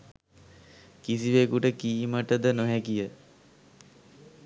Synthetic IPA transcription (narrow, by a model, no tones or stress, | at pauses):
kisiʋekuʈəkiːməʈəd̪ənoɦɛkijə